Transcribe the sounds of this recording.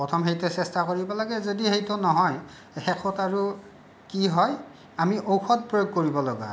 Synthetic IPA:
pɔtʰɔmɦejtɛsɛstakoɹibɔlaɡɛzodihejtʊnɔɦɔj | xɛkʰɔtaɹu | kiɦɔj | amiʔowxɔt̚pɹojoɡ̚koɹibɔlɔɡa̰

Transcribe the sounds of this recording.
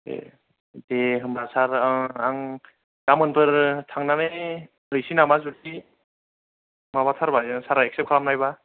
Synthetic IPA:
ḛ | deɦɯmbasaɾaŋ | d̥amɯnpʰɯɾtʰaŋnane | hɯjsinamazudi | mabatʰaɾbajsaɾaek̚sep̚kʰaɾamnajba

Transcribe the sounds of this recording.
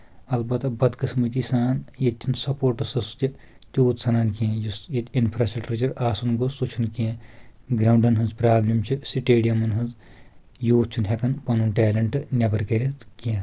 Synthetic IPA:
ɐlbɐt̪ɐbɐd̪kɨsmɐt̪isaːnjet̪ʲːʰinsɐpoːɾʈɐsɐsu̥t̪ʲi | t̪ʲuːt̪sɐnaːnkiẽjusjet̪ʲinpʰɾasɐlʈɾɐt͡ʃɐɾaːsunɡosut͡ʃʰunkiẽɡɾɐːwɳɖɐnɦɐnzpɾaːblʲimt͡ʃʰisiʈeːɖijɐmɐnɦɐnz | juːt̪̚t͡ʃʰunɦʲekɐnpɐnunʈeːlɐɳʈɨnʲɐbɐɾkɐɾʲɐt̪kiẽ

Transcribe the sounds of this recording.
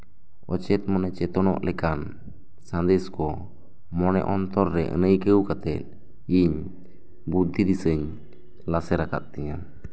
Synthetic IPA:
ɔt͡ʃɛt̪̚mɔnɛt͡ʃɛt̪ɔnɔ̰ʔlʔɛkan | sand̪ɛskɔ | mɔnɛ̰ʔɔnt̪ɔɾːɛʔə̰nəjkəwkat̪ɛt̪̚ | iɲ | bud̪ʱːiɾisəɲ | lasɛɾaka̰t̪̚t̪ɛɲam

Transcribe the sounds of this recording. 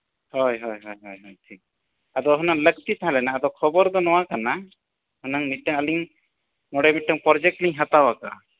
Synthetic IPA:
hɔjɦɔjɦɔjɦɔjɦɔjʈʰik̚ | ad̪ɔɦɔnaŋlək̚t̪it̪aɦãlɛnaːd̪ɔkʰɔbɔɾd̪ɔnɔwakana | hɔnaŋmiʈːəŋəliŋ | nɔɽɛmiʈːəŋpɔɾd͡ʒɛk̚ʈliɲɦat̪awaka̰

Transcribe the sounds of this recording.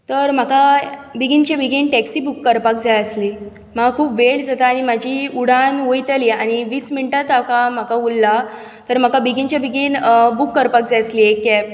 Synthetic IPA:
t̪əɾm̤akabiɡint͡ɕjabʱiɡinʈɛksibukːəɾpakd͡zaəsli | m̤akʰuːpʋeɭd͡zat̪aːɽ̃imad͡ʑʱiuɽ̤anʋojt̪əliaɽ̃iʋiːsminʈat̪akam̤akaulːa | t̪əɾm̤akabiɡint͡ɕjabʱiɡinbukːəɾpak̚d͡zaəsliːekːɛp̚

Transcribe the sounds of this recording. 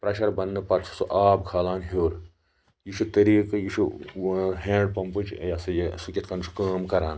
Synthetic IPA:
pɾɐʃɐɾbɐnːɨpɐt̪t͡sʰu̥suʔaːbkʰaːlaːnɦoːɾ | jiʃʰut̪ɐɾiːkɐjiʃʰu | ɦẽːɳɖ̚pɐmpɨt͡ʃjɐsɐjsukʲit̪kɐnʃʰu̥kaːmkɐɾaːn

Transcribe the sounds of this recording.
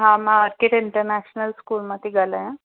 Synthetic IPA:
ɦãmãəɾkeʈɪɳʈəɾnæɕnəlskuːlmat̪iɡʱalajã

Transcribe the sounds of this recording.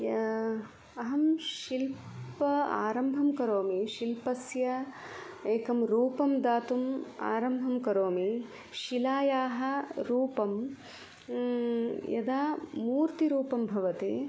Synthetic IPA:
jɐ | ɐɦɐmʃilpɐa̰ːɾɐmbʱɐmkɐɾoːmiʃilpɐsjɐ | eːkɐmɾuːpɐmd̪aːt̪uma̰ːɾɐmbʱɐmkɐɾoːmi | ʃilaːjaːɦɐ̆ɾuːpɐm | jɐ̰d̪aːmuːɾt̪iɾuːpɐmbʱɐʋɐt̪ḛː

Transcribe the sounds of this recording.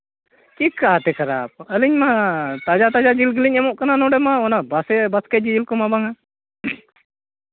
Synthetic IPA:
kikːat̪ɛkʰɐɾa̰p̚əliɲmat̪ad͡ʒat̪ad͡ʒad͡ʒilɡəliɲɛmɔʔkananɔɖɛmaɔnabasɛbaskɛd͡ʒid͡ʒilkɔmabaŋa

